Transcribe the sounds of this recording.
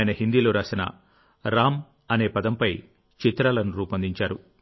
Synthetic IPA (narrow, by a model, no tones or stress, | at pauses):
jɐnɐɦind̪iloːɾaːsinɐ̰ | ɾaːm | ɐne̞ːpɐd̪ɐmpɐj | t͡ʃit̪ɾaːlɐnuɾuːpɐnd̪iɲt͡ʃaːɾu